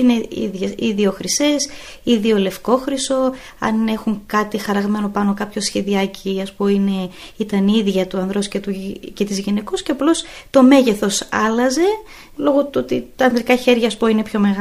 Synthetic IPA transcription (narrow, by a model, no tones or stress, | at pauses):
ineḭðʝɐiðio̞xɾise̞s | iðio̞le̞fko̞xɾiso̞ | ɐ̰ne̞xuŋkɐt̪ixɐɾɐɣme̞no̞pɐno̞kɐpço̞sçe̞ðiɐciɐspoine̞it̪ɐniðʝɐt̪uɐnðɾo̞scet̪uce̞t̪izʝine̞kosceɐplo̞st̪o̞me̞ʝe̞θo̞sɐlɐze̞ | lo̞ɣo̞t̪uot̪it̪ɐːnðɾikɐçe̞ɾʝɐːspo̞ine̞pço̞me̞ɣ